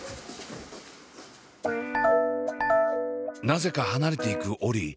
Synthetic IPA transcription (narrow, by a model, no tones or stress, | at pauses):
naze̞kahanaɾe̞t̪e̞ikɯ̟ʔo̞ɾʲi